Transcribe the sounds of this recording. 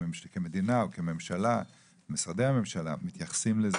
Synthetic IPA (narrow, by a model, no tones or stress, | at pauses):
kemed̪inaokeme̞mʃala | misʁad̪ejhame̞mʃala̰mit̪jaχḁsimlez